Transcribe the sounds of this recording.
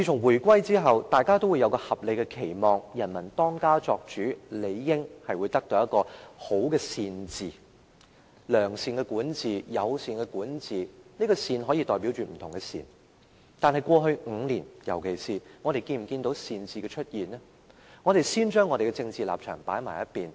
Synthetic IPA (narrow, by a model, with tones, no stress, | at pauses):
y˧t͡ʃʰʊ˨˩ŋwuː˨˩jkʷwɐ˥jt͡siː˥ɦɐ˨wt̪aː˨˩jkaː˥t̪o˥wu˨˧jɐ˧wkɔː˧hɐ˨p̚le˨˧jkɛ˧kʰe˨˩jmɔː˨ŋjɐ˨˩nmɐ˨˩nt̪ɔː˥ŋkaː˥t͡sɔː˧k̚t͡ʃyː˨˥le˨˧jːɪ˥ŋhɐ˨jwuː˨˧jt̪ɐ˥k̚t̪o˨˧wjɐ˥t̚kɔː˧ho˨˥wkɛː˧siː˧nt͡siː˨ | lœː˨˩ŋsiː˨˩nkɛ˧kuː˨˥nt͡siː˨˩jɐ˨˧wsiː˨nkɛ˧kuː˨˥nt͡siː˨niː˥ɡɔ˧siː˧nɦɔː˨˥jiː˧t̪ɔː˨˩jpi˨˥wt͡ʃyː˨m̩˨˩t̪ʰʊ˨˩ŋkɛ˧sḭː˨n | t̪aː˨nhɐ˨jkʷɔː˧ɦɵ˧ɥŋ̩˨˧liː˨˩njɐ˨˩wkʰe˨˩jsiː˨˩ŋɔː˨˧ɾe˨˩jkiː˧m̩˨˩kiː˧nt̪o˨˥wsiː˧nt͡siː˨kɛ˧t͡ʃʰɵ˥t̚jiː˨˩nːɛ˥ | ŋɔ˨˧ɾe˨˩jsiː˥nt͡ʃœː˥ŋːɔ˨˧ɾe˨jkɛ˧t͡sɪ˧ŋt͡siː˨˩la̰˨p̚t͡ʃʰœ̰ː˨˩ŋpaː˨˥jmaː˨˩jɐ˥t̚piː˨n